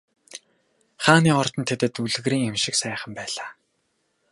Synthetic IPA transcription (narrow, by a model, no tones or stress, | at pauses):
χaːniːɔrt̪ɞ̆nt̪ʰet̪ɘ̆t̪uɮɘ̆ɣriːŋemʃɪ̆ksæːχə̆mpæːɮaː